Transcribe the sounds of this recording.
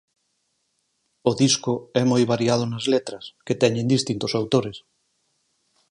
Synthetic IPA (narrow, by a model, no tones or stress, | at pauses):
oðiskʊɛmojβ̞aɾiað̞ʊnazlet̪ɾɐsket̪ɛɲẽnd̪ist̪int̪o̥sawt̪oɾes